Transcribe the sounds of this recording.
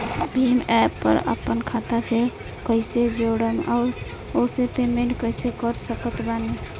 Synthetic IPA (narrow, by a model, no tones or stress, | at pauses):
bʱimɛpːə̰ɾə̰pːənkʰat̪ase | kəɪsed͡ʒoɽəmʔaʊɾ | oset̪emenkəjsekəɾsəkət̪bane